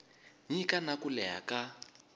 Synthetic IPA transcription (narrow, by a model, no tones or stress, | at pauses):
ɲikanakulɛɦa̰ka